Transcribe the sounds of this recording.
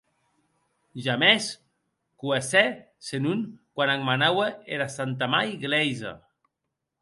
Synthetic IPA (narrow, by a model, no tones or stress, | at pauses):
ʒamɛs | kuasɛ | senunkwanaŋmanawaeɾasant̪amajɣlɛjza̰